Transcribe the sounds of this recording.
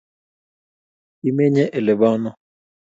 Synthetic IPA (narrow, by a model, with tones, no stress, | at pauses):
i˦me˦ɲɛ˦ʔe˨lɪ˨βɔ˦nɔ˦